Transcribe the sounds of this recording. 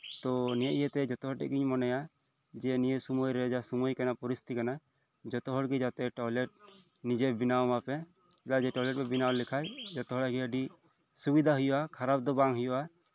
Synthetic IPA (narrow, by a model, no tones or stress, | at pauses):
t̪ɔnijaʔijet̪ɛd͡ʒɔt̪ɔɦɔʈɛ̰ʔɡiɲmɔnɛja | d͡ʒɛnijesumojɾɛd͡ʒasumojkanapɔɾist̪ikana | d͡ʒɔt̪ɔɦɔɽɡid͡ʒat̪ɛʈɔjlɛʈ̚ | nid͡ʒɛbinawmapɛ | kilad͡ʒɛʈɔlɛʈ̚pɛbinawlikʰajd͡ʒɔt̪ɔɦɔɽaɡiəɖi | subid̪ʱaɦujɔʔakʰaɾab̚d̪ɔbaŋɦujɔʔa